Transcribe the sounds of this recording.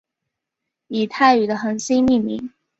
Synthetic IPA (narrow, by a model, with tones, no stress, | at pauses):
i˨˩t̪ʰa˥˩ɪy˨˩d̪ə˦xə˨˩nsi˥nmi˥˩mḭ˧˥ŋ